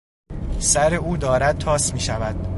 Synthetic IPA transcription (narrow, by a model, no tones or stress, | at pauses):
sæɾe̞uːd̪ɒːɾæd̪̥̚t̪ʰɒːsmiːʃævæd̪̥̚